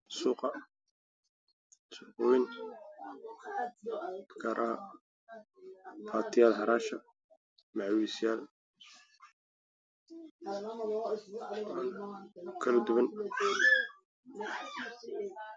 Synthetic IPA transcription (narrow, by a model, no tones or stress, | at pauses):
suːqɑ | sʊʊwɪn | kʰɐɾʔaː | pʰaːt̪ʰɪjaːlɦɐɾaːʃɐ | maʕwisɪjaːl | kʰɐlɐd̪ʊβɐn